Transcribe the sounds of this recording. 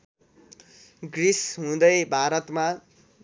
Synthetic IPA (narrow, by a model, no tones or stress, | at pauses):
ɡrisɦũd̪ʌjbʱaɾʌt̪ma